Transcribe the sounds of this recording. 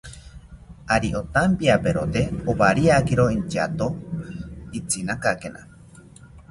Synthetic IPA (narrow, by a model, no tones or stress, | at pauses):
aɾiʔot̪ampiapeɾot̪eoβaɾiakiɾoint͡ʃa̰t̪o | it͡sinakakenʔa̰